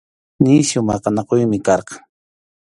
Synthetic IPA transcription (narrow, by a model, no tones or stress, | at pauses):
niʃjʊmɑqɑnɑqojmɪkɑɾqɑŋ